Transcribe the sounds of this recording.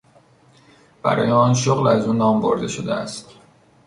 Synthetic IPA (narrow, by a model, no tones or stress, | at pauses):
b̥æ̰ɾɒ̰ːjeɒːnʃoɣlæzuːnɒːmboɾd̪e̞ʃod̪ḛæ̰st̪